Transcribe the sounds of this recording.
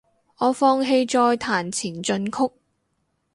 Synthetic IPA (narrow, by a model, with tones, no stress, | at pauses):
ʔɔː˨˧fɔː˧ŋɦe˧jt͡ʃɔː˧jt̪ʰaː˨˩nt͡sʰiː˨˩nt͡ʃɵ˧nkʰʊ˥k̚